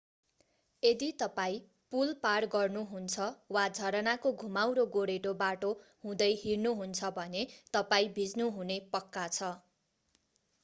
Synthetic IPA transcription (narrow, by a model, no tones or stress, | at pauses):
ed̪it̪ʌpaĩ | pulparɡʌrnuɦunt͡sʰʌwad͡zʱʌɾʌnakoɡʱumawɾoɡoɽeʈobaʈohũd̪ʌjɦirnuɦunt͡sʰʌbʱʌnet̪ʌpaĩbʱid͡znuɦunepʌkːat͡sʰʌ